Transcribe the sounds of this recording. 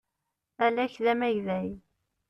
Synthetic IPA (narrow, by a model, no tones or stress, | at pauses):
ælæçðæmæʝðæj